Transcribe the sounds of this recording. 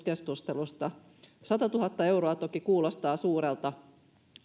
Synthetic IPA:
kesk̪ust̪elust̪ɑ | sɑt̪ɑt̪uɦɑt̪ːɑe̞wɾoɑt̪okikuːlost̪ɑːsuːɾelt̪ɑ

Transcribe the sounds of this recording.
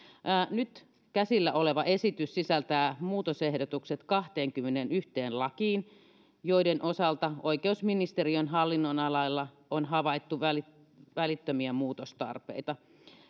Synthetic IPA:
ʔːnyt̪ | kæsilːæʔoleʋɑʔesit̪yssisælt̪æːmuːt̪osehdot̪ukset̪kɑht̪eːŋkymːenenyht̪eːnlɑkiːn | joidenʔosɑlt̪ɑoikeusminist̪erionɦɑlːinːonɑlɑilːɑ | onɦɑʋɑit̪ːuʋæli | ʋælit̪ːømiæmuːt̪ost̪ɑ̰rpḛit̪ɑ

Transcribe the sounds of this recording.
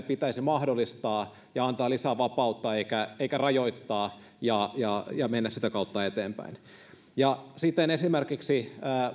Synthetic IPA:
pit̪æisimɑhdolːist̪ɑː | jɑɑnt̪ɑːlisæʋɑpɑut̪ːɑeikæeikærɑjoit̪ːɑː | jɑjɑjɑmenːæsit̪ækɑut̪ːɑet̪eːmpæ̰in | jɑsit̪ːenesimerkiksiəː

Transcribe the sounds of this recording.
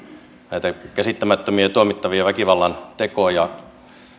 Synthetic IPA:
næit̪ækæsit̪ːæmæt̪ːømiet̪uomit̪ːɑʋiɑʋækiʋɑlːɑnt̪ekoɑjɑ

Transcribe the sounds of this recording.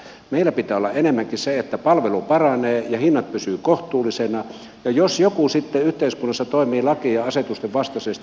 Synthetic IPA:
meilːˑæpit̪æːolːɑ̰ʔenemːæŋkiseet̪ːæpɑlʋelupɑrɑneːjɑhinːɑt̪̚pysyːkoht̪uːlːˑisenɑ | jɑjosjokusit̪ːeyht̪eiskunːɑsːɑt̪oˑimiːlɑkiɑɑset̪ust̪eʋʋɑst̪ɑsest̪

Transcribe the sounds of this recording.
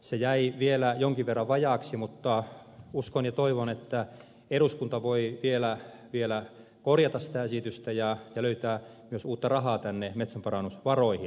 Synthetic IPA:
sejæiʋielæjoŋkiʋʋerːɑʋʋɑjɑˑksimut̪ːɑ | uskonjɑt̪oiʋonet̪ːæ | eruskunt̪ɑʋoiʋielæ | ʋielæ | korjɑt̪ɑssi̥t̪æesit̪yst̪æjɑjɑløyt̪æː | myøsuːt̪ːɑrɑhɑːt̪ænːemet̪sæmpɑrɑnːusʋɑroihi

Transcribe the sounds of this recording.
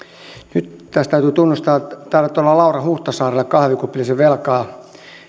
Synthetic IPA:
nyt̪t̪æst̪æyt̪yt̪unːust̪ɑːt̪ɑrʋet̪ːolːɑlɑurɑhuht̪ɑsɑːrelːekɑhʋikupːiliseʋelkɑː

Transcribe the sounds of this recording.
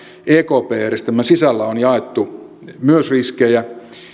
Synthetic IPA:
ʔeːkoːpeːjærest̪æmːæsisælːæonjɑet̪ːumyøsriskejæ

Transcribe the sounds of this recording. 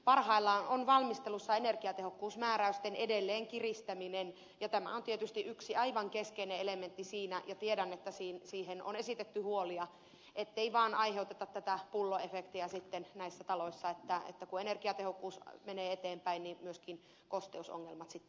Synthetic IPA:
pɑrhɑilːɑːnonʋɑlmist̪elusːɑenerkiɑt̪ehokːuːsmæːræyst̪enedelːeːŋkirist̪æminen | jɑt̪æmæ̰ont̪iet̪yst̪iʔyksiɑiʋɑŋkeskeineelement̪ːisiːnæjɑt̪iedænet̪ːæsiːnsiːheno̰nesit̪et̪ːyhuoliɑ | et̪ːeiʋɑːnɑiheut̪et̪ɑt̪t̪ːæt̪æpulːoefekt̪iæsit̪ːennæisːæt̪ɑloisːɑet̪ːæḛt̪ːækuenerkiɑt̪ehokːuːsmeneːet̪eːmpæinnimyøskin | kost̪euso̰ŋːelmɑt̪sit̪ː

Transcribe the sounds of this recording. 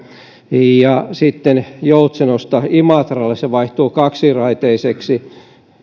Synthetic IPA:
jɑsit̪ːenjout̪senost̪ɑimɑˑt̪rɑlːesseʋɑiht̪oːkɑksirɑit̪eiseksi

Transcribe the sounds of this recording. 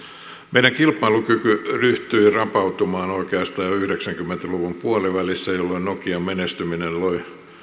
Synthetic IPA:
meijæŋkilpːˑɑilukykyryht̪yirɑpɑut̪umɑːnoikeɑst̪ɑːjɑyhɾeksæŋkymːent̪æluʋumpuɑliʋælisːæjolːoinokiɑmmenest̪yminenloi

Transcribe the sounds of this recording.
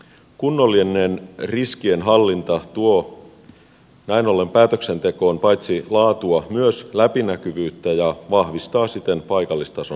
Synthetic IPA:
kunːo̞lːienːenriskienɦɑlːint̪ɑt̪uo | næino̞lːe̞mpæːt̪økse̞nt̪e̞ko̞ːnpɑjt̪silɑːt̪uɑmyøslæpinækyʋyːt̪ːæjɑʋɑhʋist̪ɑːsit̪enpɑjkɑlːist̪ɑson

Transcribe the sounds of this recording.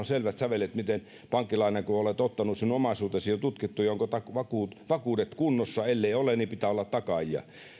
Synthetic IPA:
onselʋæt̪sɑʋelet̪mit̪en | pɑŋkːilɑinekoolet̪ot̪ːɑnusinomɑisuːt̪esiːont̪ut̪kit̪ːujɑoŋkot̪ɑkʋɑkuːt̪ʋɑkuːdet̪kunːosːɑelːeiolennipit̪æːolːɑt̪t̪ɑkɑjiɑ̰

